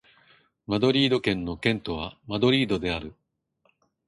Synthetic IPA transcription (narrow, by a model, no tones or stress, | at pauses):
mad̪o̞ɾʲiːd̪o̞kẽ̞nːo̞kẽ̞nt̪o̞β̞amad̪o̞ɾʲiːd̪o̞d̪e̞aɾɯ̟